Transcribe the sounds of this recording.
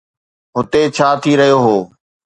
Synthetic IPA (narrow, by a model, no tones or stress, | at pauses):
ɦʊt̪et͡ɕʰaːt̪ʰiːɾəɦijoɦoː